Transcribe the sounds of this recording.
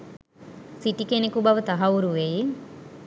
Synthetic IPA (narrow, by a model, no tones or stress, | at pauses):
siʈikenekubɐʋət̪ɐɦɐuɾuʋeji